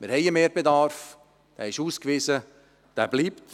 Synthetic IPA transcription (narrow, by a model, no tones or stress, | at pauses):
mɪɾhɛjəmeːɾbedɑːɾf | d̥æːɪʃuːskviːzə | d̥æːbliːpt